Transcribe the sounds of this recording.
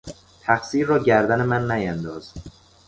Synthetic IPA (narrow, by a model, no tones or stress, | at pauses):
t̪ʰæxsiːɾːɒːɟæɾd̪æne̞mænːæjænd̪ɒːz̥